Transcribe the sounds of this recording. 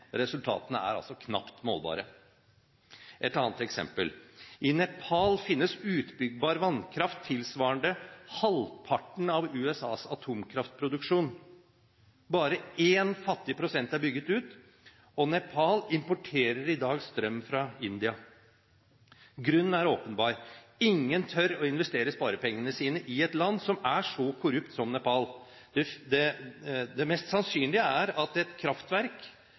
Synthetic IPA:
ɾɛsʉlt̪ʰɑ̰ːt̪ənəæ̰ɾɑ̰lsɔkʰnɑ̰pt̪mo̰ːlbɑ̰ːɾə | ʔɛt̪ɑːnət̪ɛksɛ̰mpəlɪnɛpʰɑlfɪnːəsʉːt̪bʏɡ̚bɑːɾʋɑnkʰɾɑft̪ʰːɪlsʋɑːəɳɖ̪əhɑlpʰɑʈɳ̩ɑʋʉːɛsɑ̰ːsɑt̪ʰuːmkʰɾɑft̪̚pʰɾʊd̪ʉkʂuːn | bɑːɾəeːnfɑt̪ːɪəpʰɾʊsɛnt̪æɾbʏɡːət̪ʉːt̪ | ɔnɛpʰɑlɪmpɔʈʰeːɾəɾɪd̪ɑːɡst̪ɾœmːfɾɑɪnd̪ɪɑ | ɡɾʉnːn̩æɾoːpənbɑːɾ | ɪŋːənt̪ʰœɾɔɪnʋɛst̪eːɾəspɑːɾəpɛŋːənəsiːnəʔɪɛt̪lɑnd̪sɔmæʂɔkʰʊɾʉpt̪sɔmnɛpɑl | d̪̥ɛd̪ɛd̪ɛmɛst̪sɑnsyːnlɪəæɾɑt̪ɛt̪kʰɾɑft̪ʋæɾk

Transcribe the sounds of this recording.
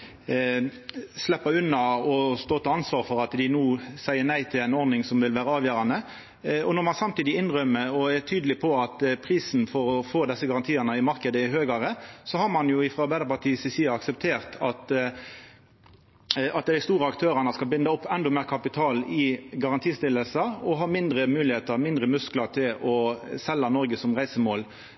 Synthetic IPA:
slɛpːəʉnːɑɔst̪oːt̪ʰɑɑnsʋɑːʁfɔʁɑt̪d̪ɪnuːsæɪənæɪt̪ʰɪlɛɪnɔɾd̪nɪŋsɔmʋɪlʋæːʁəɑːʋjøːɾɑnə | ɔnɔɾmɑnsɑmt̪iːd̪ɪɪnʁœmːəɔɛt̪ʰyːd̪əlɪpʰɔɑt̪pʰʁiːsn̩fɔɾɔfoːd̪ɛsːəɡɑʁɑnt̪ʰiːɑnəɪmɑɾkəd̪əɪɦøːɡɑʁəsɔhɑɾmɑnjʊɪfʁoɑɾbæɪɑɾpɑʁt̪ʰiːsɪsiːɑɑksɛpt̪ʰeːʁt̪ʰɑt̪ | ɑt̪̚d̪æɪst̪uːɾəɑkt̪ʰøːɾɑnəskɑlbɪnd̪ɑɔpːɛnd̪ɔmeːʁkʰɑpɪt̪ʰɑːlɪɡɑʁɑnt̪ʰiːst̪ɪlːəlsəɔɦɑːmɪnd̪ɾəmʉːlɪheːt̪əʁmɪnd̪ʁəmʉsklɑʁt̪ʰɪlɔsɛlːɑnɔɾɡəsɔmʁæɪsəmoːl

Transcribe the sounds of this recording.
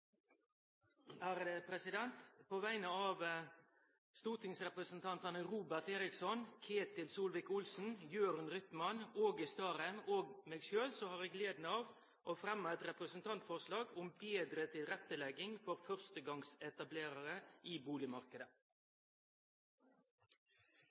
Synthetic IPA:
æːɾd̪əpʰɾɛsɪd̪ɛnt̪pʰoːʋæɪnəɑːʋ | st̪uːt̪ʰɪŋsʁɛpɾəsnt̪ʰɑnt̪ɑnəɾuːbæʁt̪eːɾɪksɔnkʰeːt̪ɪlsuːlʋɪkʊlsn̩jøːɾɑnɾʏt̪mɑnoːɡɪst̪ɑːʁæmoːɡmeːɡʃøːlsɔhɑːʁeːɡleːd̪nəɑːʋ | ʔofɾɛmːɑɛt̪ɾɛpɾəsnt̪ʰɑnt̪fɔʁʂlɑːɡʊmbeːd̪ɾət̪ʰɪlɾɛt̪ːəlɛɡɪŋfɔɾfœʁst̪əɡɑŋsɛt̪ɑbleːɾɑɾəiːbuːlɪmɑʁkəd̪ə

